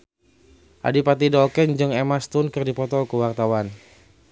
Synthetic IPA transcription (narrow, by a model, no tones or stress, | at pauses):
ʔa̰dipat̪idɔkɛnd͡ʒɨŋɛmast̪unkɨrdipɔt̪ɔkuwart̪awan